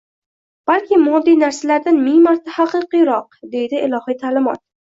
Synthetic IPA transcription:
b̥alkʲʰɪmɒd̪ːijnaɾsalaɾd̪anmɪŋmaɾt̪ʰahaqɨqɨjɾɒq̚d̪e̞jd̪ɪʔɪlˠɒhɨjt̪ʰaːlɪmɒ̰t̪̚

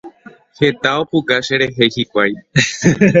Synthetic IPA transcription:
he̞t̪aopukaʃe̞ɾeɦe̞jhikʷaj

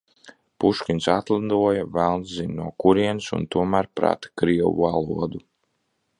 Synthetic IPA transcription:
puʃkʲinsat̪lˠad̪uɔjavælˠnszinʲnuɔkuɾiɛnsṵnt̪uɔmæːɾpɾa̰t̪ḁkɾiɛwṵalˠṵɔd̪u

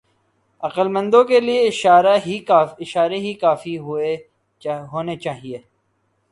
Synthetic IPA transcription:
ɐqəlmə̃nd̪õkelieɪʃːɾaɦiːɪʃaːɾeɦikaːfiɦʊe | ɦoːnet͡ʃaːɦieː

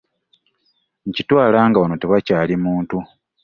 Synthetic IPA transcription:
ɲ̩citwaːlaːŋɡaono̞teβacaːlimuːntu

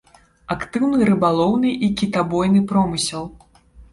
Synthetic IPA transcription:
akt̪ɨwnɨɾɨbalˠɔwnɨʔikʲit̪abɔjnɨpɾɔmɨsʲɛlˠ

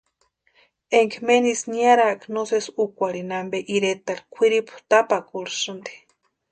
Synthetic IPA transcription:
eŋkmenisniaɾaknosesukʷaɾinambeʔiɾet̪aɾkʷʰiɾiput̪apakuɾsɨnd̪e̥

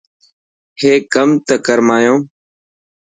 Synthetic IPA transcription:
heːkəmt̪əkəɾmaːjõː

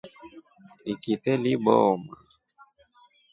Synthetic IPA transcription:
ikitɛliɓɔma

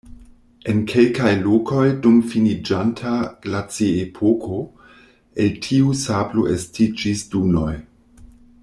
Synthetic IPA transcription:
e̞nkʰe̞lkajloko̞jdumfinid͡ʒantʰaɡ̥lat͡siepʰokʰo | eltʰiusablo̰ʔestid͡ʒisduno̞j

